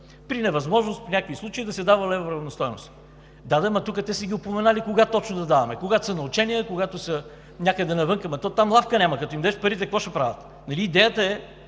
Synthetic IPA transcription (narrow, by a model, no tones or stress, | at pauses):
pɾinɛvɐzmɔʒnʊst̪pnʲakvislˠut͡ʃɐid̪ɐsɛd̪avəlɛvoɾɐvnɐst̪ɔjnʊ̰s | d̪ad̪ɛmɐt̪ukət̪ɛsəɡʲiʊpomɛnalikoɡat̪ɔt͡ʃnod̪ɐd̪avɐmɛkoɡat̪ʊ̥sɐnɐʊt͡ʃɛnʲijəkoɡat̪ʊsɐ | nʲakəd̪ɐnɐvɤŋkəmɛt̪ɔt̪amlˠafkənʲamɐkɐt̪ɔimd̪ɛʃpɐɾit̪ɛkvɔʃɛpɾavɐt̪ | nɐliːd̪ɛjət̪əɛ